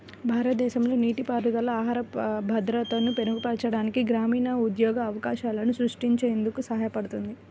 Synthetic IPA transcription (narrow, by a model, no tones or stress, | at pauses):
bʱaːɾɐt̪ɐd̪ɛːʃɐmlo̞ːniːʈipaːɾɐd̪ɐlɐaːɦaːɾɐbʱɐd̪ɾɐt̪ɐnupe̞nuɡupɛʈt͡ʃɐɽaːnikiɡɾaːmiːnɐud̪jɔːɡɐːʋɐkaːʃaːlɐnusɾuʂʈiɲt͡ʃeːnd̪ukusɐɦaːjɐpɐɽut̪und̪i